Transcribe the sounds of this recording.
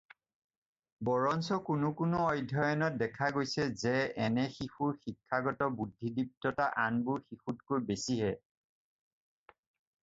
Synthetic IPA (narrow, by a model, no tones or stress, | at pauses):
bɔɹɔnsɔkʊnʊkʊnʊɔjdʱɔjɔnɔt̚dɛkʰaɡojsɛzɛɛnɛxixuɹxikʰːaɡɔtɔbudʱːidip̚tɔtaʔanbʊɹxixutkojbesiɦɛ